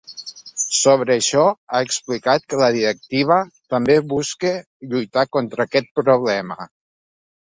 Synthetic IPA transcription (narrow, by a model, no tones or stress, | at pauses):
soβ̞ɾəːʃɔaəksplikat̪̚kələðiɾək̚t̪iβ̞ət̪əmbeβuske | ʎujt̪akont̪ɾəːkɛt̪̚pɾuβ̞lɛmə